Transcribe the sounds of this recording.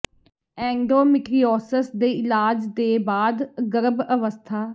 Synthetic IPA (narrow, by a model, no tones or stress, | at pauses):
ɛ̃ːŋɡɖoːmɪʈɾiɔːsəsd̪eːɪlaːd͡ʒd̪eːbaːd̪ɡəɾəbəʋəst̪ʰaː